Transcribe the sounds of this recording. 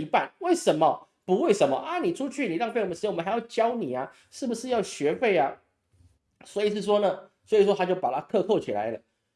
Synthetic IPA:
i˧˥pa˥˩nwe˥˩ɪʂə˧˦˥nmə˧˨ | pu˧˥we˥˩ɪʂə˧˥nmə˧ʔɐ˦ni˨˩ʈ͡ʂʰu˥t͡ɕʰy˥˩ni˨˩ɻɑ˥˧ŋfe˥˩˨xa˧˥jʊt͡ɕjɑ˥ʊni˨˩a˨ | ʂɻ̩˥˩bu˩ʂɻ̩˥˧jɑ˥˩ʊɕɥɛ˧˥fe˥˩ɪa˨ | swɔ˧˥i˨˩ʂ̬ɻ̩˥˩ʂ̬wɔ˥nə˨swɔ˧˥i˨˩ʂ̬wɔ˥t̪ʰa˥t͡ɕjo˥˩ʊpa˨˩t̪ʰa˥k̪ʰɤ˥˧kʰo˥˩ʊt͡ɕʰi˨˩la̰˧˦ɪlə̰˧

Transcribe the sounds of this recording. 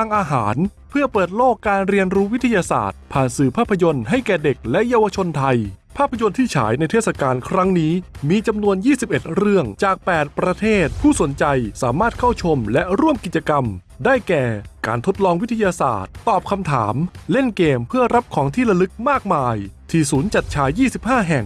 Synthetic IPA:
aː˧ŋʔaː˧ɦaː˩˦n | pʰɯ˥˩ɐpɤː˨˩t̪̚loː˥˩kːaː˧nɾi˧ənɾuː˦˥wi˦˥t̪ʰa˧jaː˧sa̰ː˨˩t̪̚pʰaː˨˩nsɯː˨˩pʰaː˥˩pʰːa˧jo˧nɦa˥˩jkɛː˨˩de˨˩k̚lɛ˦˥ʔjaː˧wa˧t͡ɕʰo˧nt̪ʰa˧jpʰaː˥˩pʰːa˧jo˧nt̪ʰiː˥˩t͡ɕʰa̰ː˩˦jna˧jt̪ʰeː˥˩sa˧kaː˧nkʰɾa˦˥ŋniː˦˥miː˧t͡ɕa˧mnu˧ənjiː˥˩si˨˩p̚ʔe˨˩t̪̚ɾɯ˥˩əŋt͡ɕaː˨˩k̚pɛː˨˩t̪̚pɾa˧t̪ʰeː˥˩t̪̚pʰuː˥˩so˩˦nt͡ɕa˧jsa̰ː˩˦maː˥˩t̪̚kʰa˥˩wt͡ɕʰo˧mlɛ˦˥ʔɾu˥˩əmki˨˩t̪̚t͡ɕa˧ka˧m | daː˥˩jkɛː˨˩ka̰ː˧nt̪ʰo˦˥t̪̚lɔː˧ŋwi˦˥t̪ʰa˧jaː˧sa̰ː˨˩t̪ːɔː˨˩p̚kʰa˧mt̪ʰa̰ː˩˦mle˥˩nkeː˧mpʰɯ˥˩ɐɾa˦˥p̚kʰɔː˩˦ŋt̪ʰiː˥˩ɾa˧lɯ˦˥k̚maː˥˩k̚maː˧jt̪ʰiː˧˩suː˩˦nt͡ɕa˨˩t̪̚t͡ɕʰaː˨˩˦jːiː˥˩si˨˩p̚haː˥˩ɦɛ˨˩ŋ

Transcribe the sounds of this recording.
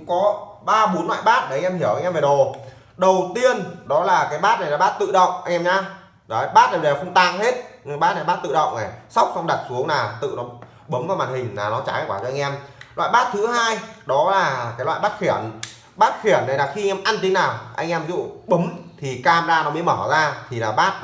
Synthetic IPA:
ŋ͡mkɔ˨˦ | ɓaː˧ɓo˨˦nlwa̰ː˧˨jɓaː˦˥t̚ːŋ̟ʔɛ˧mhi˧˩əwa˧jŋʔɛ˧mve˨˩ɗo˨˩ | ɗə˨˩wt̪i˧ənɗɔ˨˦laː˨˩kaː˨˦jɓaː˦˥t̚na˨˩jla˨˩ɓaː˦˥t̚t̪ɨ̰˧˨ɗə̰˧˨wŋ͡mʔa˧jŋ̟ʔɛ˧mɲaː˧˨˦ | jɓaː˦˥t̚na˨˩˨xə˧wŋ͡mt̪aː˧˩ŋhe˦˥t̚ɓaː˦˥t̚na˨˩ɓa˦˥t̚t̪ɨ̰˧˨ɗə̰˧˨wŋ͡mna˨˩sa˦˥wk͡p̚sa˧wŋ͡mɗa˨˩t̚su˨˦əŋnaː˨˩wt̪ɨ̰˧˨nɔ˨˦ | ɓə˨˦ŋ͡mvaː˧wmaː˨˩nhï˨˩ŋ̟naː˨˩nɔ˨˦t͡ɕaː˨˦a˧jkwaː˧˩t͡ɕɔ˧a˧ŋʔɛ˧mla̰ː˧˨jɓaː˦˥t̚t̪ʰɨ˨˦haː˧jɗɔ˨˦laː˨˩kaː˨˦jlwa̰ː˧˨jɓaː˦˥t̚xi˧˩ən | ɓaː˦˥t̚xi˧˩ənːa˨˩jlaː˨˩xi˧ŋʔɛ˧mʔa˧nt̪i˨˦naː˨˩wʔa̰˧jŋʔɛ˧mvi˧˦zṵ˧˨ɓə˨˦mt̪ʰi˨˩kaː˧˩mzaː˧nɔ˨˦mi˨˦məː˧˩zaː˧t̪ʰi˨˩laː˨˩ɓaː˦˥t̚

